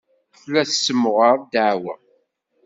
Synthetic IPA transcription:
θlæθsːəmʁəɾˤd̪aʕwə

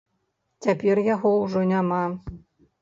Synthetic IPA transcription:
t͡sʲapʲɛrjaɣɔwʐɔnʲama

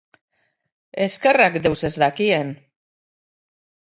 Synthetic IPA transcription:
eskerakd̪ewsezðakien

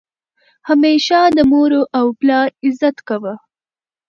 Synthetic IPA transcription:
hameʃad̪əmoɾoʔawplɑɾɪzat̪kawə

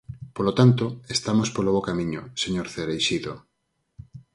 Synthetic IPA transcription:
polot̪ant̪oest̪amospoloβokamĩɲoseɲoɾθeɾejʃiðo

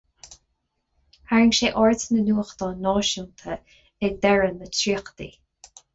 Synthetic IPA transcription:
haɹəŋʃeːʔɔɹtnənuːxd̪ɔːnɔːʃunt̪ʰə | ɛd̪ɛɹənːətʰɹiːxd̪ḭː

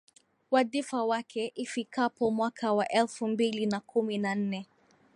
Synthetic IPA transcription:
waðifawakʰɛʔifikapɔmwakʰawaʔɛlfumbilinakʰuminan̩nɛ

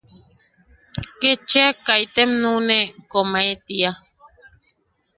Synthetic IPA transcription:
ket͡ʃeakajt̪emnũnekomaet̪ia

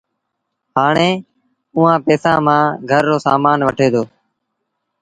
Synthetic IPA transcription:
ɦaːɳeː | ʊːãːpeːsãːmãːɡʱəɾːoːsa̰ːmaːnʋəʈʰeːd̪oː

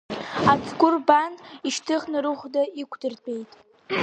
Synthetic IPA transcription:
at͡sʰʼɡʷʊrbaniʃtʰɨχnɨɾɨχʷdaikʷʰdɨrpʰʼe̞jtʼ

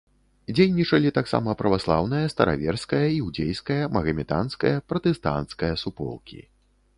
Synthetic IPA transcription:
d͡zʲejnʲit͡ʂɐlʲit̪aksa̰mɐpɾɐvaslˠawnɨjɐst̪ɐ̰ɾa̰vʲɛrskɐjɐiwd͡zʲejskɐjɐmɐɣɐmʲit̪a̰nskɐ̰jɐpɾɐt̪ɛst̪a̰nt̪skɐjɐsupɔ̰lˠkʲḭ

